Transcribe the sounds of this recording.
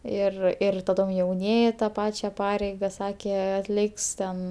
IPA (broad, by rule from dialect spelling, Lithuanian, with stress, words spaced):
ˈɪr ɪr tɐˈdoːm jɛʊˈnʲiɛjɪ tɐ ˈpɑːt͡ʃʲɛ ˈpɑːrʲɛɪɡɐ ˈsɑːkʲeː ɐtʲˈlʲɪks tʲɛn